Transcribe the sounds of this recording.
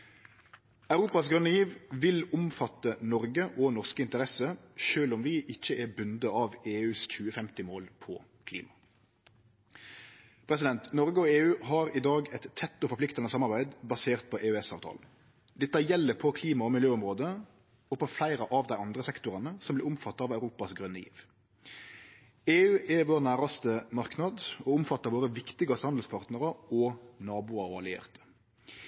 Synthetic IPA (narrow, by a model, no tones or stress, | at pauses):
ɑʉʁuːpɑsɡʁʉnjiːʋʋɪlʊmfɑt̪ːənɔʁɡəʔɔnɔʁskəɪnt̪əɾɛsəʃøːlɔmʋɪʔɪçːəʔɛbʉnd̪əɑʋeːʉːsc͡çʉːəfɛmt̪ɪmoːlpʰɔ̰ | kʰlḭːmɑ | pʰɾɛs̬ɪd̪ɛnt̪nɔʁɡəɔeːʉːɦɑːɾɪd̪ɑːɡɛt̪ʰːɛt̪ːɔfɔɾpʰlɪkt̪ɑnəsɑmɑʁbæɪd̪bɑseːʁt̪̚pʰɔʔeːʉɛsɑ̰ːʋt̪ʰɑ̰ln̩ | d̪ɛt̪ːɑjɛlːəpʰɔkʰliːmɑɔmɪljøːʊmʁoːd̪ə | ɔpʰɔflæɪɾəʔɑʋd̪æɪʔɑnd̪ɾəsɛkt̪ʊɾɑnəsɔmblɪːɾʊmfɑt̪ːɑɑːʋɑʉɾuːpɑsɡʁʉnːəjḭːʋ | eːʉːʔɛʋoːʁnæːɾɑst̪əmɑʁknɑd̪ɔʊmfɑt̪ːəɾʋoːɾəʋɪkt̪ɪɡɑst̪hɑnd̪l̩spʰɑʁt̪nəɾɑɔnɑːbʊɑɾɑlɪḛːʁt̪ə̥